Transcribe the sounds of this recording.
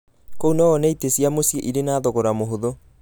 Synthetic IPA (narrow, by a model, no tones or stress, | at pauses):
kounɔɔnɛitesjamosjeʔiɾenaːðoɣoɾamoɦoðo